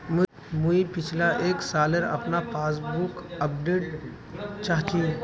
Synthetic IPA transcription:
mu | muipɪt͡ʃʰlaʔeːksaːləɾɐ̰pnapaːs̬bʊkɐp̚ɖeːʈ | t͡ʃaːt̪iũ

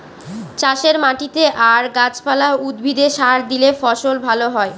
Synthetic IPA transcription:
t͡ɕaʃeɾmaʈit̪eʔaɾɡat͡ɕpalaud̪bʱid̪eʃaɾd̪ilefɔʃolbʱaloɦɔe

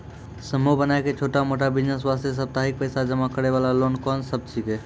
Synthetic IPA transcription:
səmubənaeket͡ʃʰoːʈamoːʈabɪd͡ʒnəs̬ʋast̪ʰjes̬əb̚t̪aɦik̚pəɪsad͡ʒəmakəɾeʋaːlaloːnkɔnsəb̚t͡ʃike

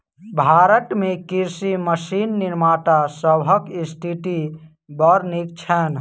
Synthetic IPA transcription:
bʱaːɾəʈmekiɾsiməsinːiɾmaːʈasəbɦəkisʈiʈi | bəɾnik̚t͡ʃʰɛn

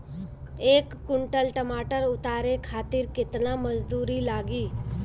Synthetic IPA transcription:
eːkːʊɳʈəlʈəmaːʈəɾʊt̪aːɾekʰaːt̪ɪɾkɪt̪naməd͡ʒd̪uːɾilaːɡiː

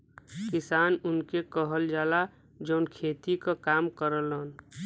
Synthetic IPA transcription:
kɪsaːnʊnkekəɦəld͡ʒaːla | d͡ʒəʊnkʰeːt̪ikakaːmkəɾəlɦən

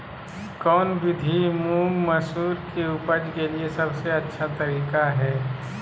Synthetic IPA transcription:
kɔːnbɪd̪ʱimũːŋɡmɐsuːɾkeʊpəd͡ʒkeliesɐbseɐtːʃʰat̪ɐɾiːkaɦɛː

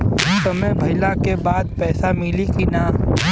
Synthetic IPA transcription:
ɦɐmt̪ɐmẽbʱɐɪlakebaːd̪pɛːsamɪlikinaː

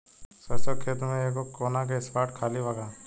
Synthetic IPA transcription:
sɐsəkʰeːt̪mẽeːkokoːnak̬eɪspaːʈkʰaːlibaɡaː

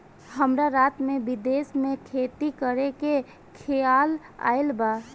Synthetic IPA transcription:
həmɾaɾaːt̪mẽbɪd̪eːsmẽkʰet̪ikəɾeke | kʰeaːl | a̰ɪlba

